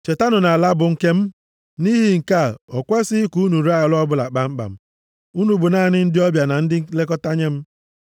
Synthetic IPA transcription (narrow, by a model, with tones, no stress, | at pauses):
t͡ʃe˨ta˦nʊ˨na˨la˦bʊ˨ŋ̩˦ke˦m̩˦ | ni˦ɦi˨ŋ̩˨ka˦˨ɔ˨kʷe˦sɪ˦ku˦nu˨ɾa˦˨lɔ˦bʊ˦la˨k͡pa˨ŋ͡m̩˦k͡pa̰˨m̩˦ | u˦nu˨bʊ˨naː˦˨nɪ˦n̩˦dɪ˦ɔ˦bja˨na˨n̩˦dɪ˦le˦kɔ˦ta˦ɲe˦m̩˦